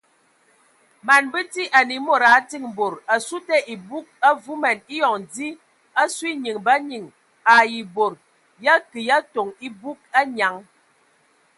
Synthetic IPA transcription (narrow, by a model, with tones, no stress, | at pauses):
ma˨nbə˦ti˦ʔa˨ni˨˦mo˦˨ɾa˨˦ti˦˨ŋ˨bo˨ɾa˨su˦tɛ˦ʔi˨bu˦k̚a˦vu˦mɛ˨ni˦jɔ˨ŋdi˦ | a˦su˦i˦ɲi˨ŋba˦ɲi˨ŋ | a˨ji˨bo˨ɾ | ja˦kɨ˨ja˦to˨ŋi˦bu˦k̚a˦ɲa˨˦ŋ